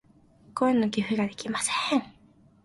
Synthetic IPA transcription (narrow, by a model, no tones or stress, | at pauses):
koenːokʲiɸɯ̟ɡad̪e̞kʲimasẽŋ